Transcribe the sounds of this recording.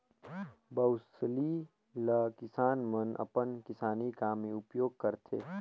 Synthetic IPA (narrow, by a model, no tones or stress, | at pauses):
bɐwsli | ləkɪsaːnmənɐ̰pənkɪsaːnikaːmeʊpjoːɡ̚kəɾt̪ʰḛː